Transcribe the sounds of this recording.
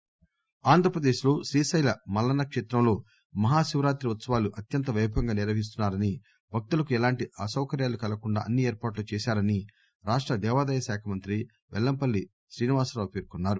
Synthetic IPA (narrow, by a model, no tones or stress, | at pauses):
aːnd̪ʱɾɐpɾɐd̪eːʃlo̞ːʃɾiːsɐjlɐmɐlːɐnɐkʂɛːt̪ɾɐmlo̞ː | mɐɦaːʃiʋɾaːt̪ɾiʋɐt̪sɐʋaːluʔɐt̪jɐnt̪ɐʋɐjbʱɐŋɡaːniɾʋɐɦis̬t̪unːaːɾɐni | bʱɐk̚t̪ulɐkuɛlaːɳʈiʔɐsɐwkɐɾjaːlukɐlɐkuɳɖa̰ːʔɐnːieːɾpaːʈlut͡ʃɛːsaːɾɐni | ɾaːʂʈɾɐd̪ɛːʋaːd̪ɐjɐsaːkʰɐmɐnt̪ɾi | ʋɛ̰lːɐmpɐlːi | sɾiːniʋaːsɾɐɐpeːɾkunːaːɾu